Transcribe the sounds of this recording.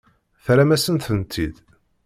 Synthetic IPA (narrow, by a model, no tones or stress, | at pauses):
θɾæmæsənt̪θənt̪ʰːḭd̪